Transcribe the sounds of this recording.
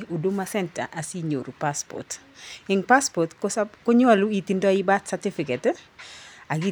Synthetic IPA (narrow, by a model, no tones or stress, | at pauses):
udumasɛnta̰ʔasiɲo̰ɾupaspɔ̰t | iŋpaspɔtkkoɲaluitindɔjibatsatifikɛt | aɡi